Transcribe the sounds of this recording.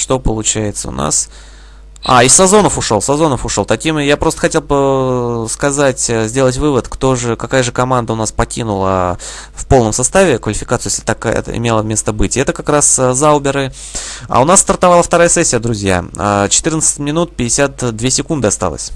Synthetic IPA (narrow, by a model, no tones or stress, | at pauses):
ʂt̪o̞pəlˠʊt͡ɕæjɪt̪sə̰ʊ̰na̰s | a̰ɪsːɐzo̞nəfʊʂo̞lˠsɐzo̞nəfʊʂo̞lˠt̪ɐkʲimjapɾo̞st̪ə̥xɐtʲelˠpəskɐzatʲzʲdʲe̞lˠətʲvɨvət̪kt̪o̞ʐɨkɐkajəʐɨkɐmand̪əʊnaspɐkʲinʊlˠəfpolˠnəmsɐst̪avʲɪkvəlʲɪfʲɪkat̪sɨjeslʲɪt̪akɛ̰ɪ̰mʲe̞lˠəmʲe̞st̪əbɨtʲɛt̪əkɐkɾaszalˠbʲɪɾɨ | a̰ʊnast̪ərt̪ɐvalˠəft̪ɐɾajəsɛsʲːɪjəd̪ɾʊzʲja̰ət͡ɕɪ̥t̪ɨrnət̪sɨ̥tʲmʲɪnut̪̚pʲɪdʲɪsʲat̪d̪vʲesʲɪkund̪ɨɐst̪a̰lˠə̰sʲ